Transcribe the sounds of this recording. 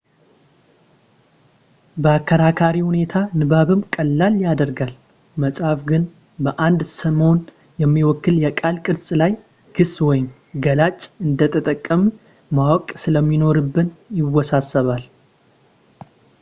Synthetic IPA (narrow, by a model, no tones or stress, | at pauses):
bəakʰːəɾakʰaɾihune̞t̪ʰanɨβaβɨmkʼəlːaljad̪əɾɡal | məsʼhafɡɨn | bəʔand̪səmo̞n | jɛmːiwɔkːɨljɛkʼalkʼɨɾsʼlaj | ɡ̥ɨswɔjɪm | ɡəlat͡ʃʼɨnd̪ət̪ʼʰət̪ʼəkʼːəmu | mawɔkʼsɨləmːino̞ɾɨbːɨnjɪwɔsasːəβal